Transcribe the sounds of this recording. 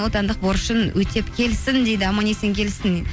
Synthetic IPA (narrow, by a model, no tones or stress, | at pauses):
wo̞t̪ɑnd̪əq̚boɾəʃənwʔɵt̪ʰe̞pkʲʰe̞lsɪnd̪e̞jd̪ɪɑmɑne̞sɪŋkʲe̞lɪsɪn